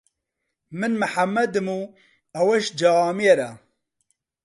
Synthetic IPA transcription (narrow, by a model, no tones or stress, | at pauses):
mɨnmɨħamːɐd̪ɨmu | ɐwɛʃd͡ʒaaːmieɾɐ